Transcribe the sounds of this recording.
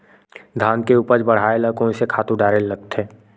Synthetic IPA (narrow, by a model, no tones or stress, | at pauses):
d̪ʱaːnkeuːpəɾd͡ʒbəɽ̤aːeləkõnsekʰaːt̪ũɖaːɾelːɐɡt̪ʰɛ̃ː